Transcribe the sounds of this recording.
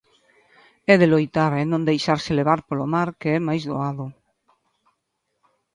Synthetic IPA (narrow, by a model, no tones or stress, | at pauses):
ɛðelojt̪aɾenõnd̪ejʃaɾseleβ̞aɾpolomaɾkeɛmajzðo̰aðo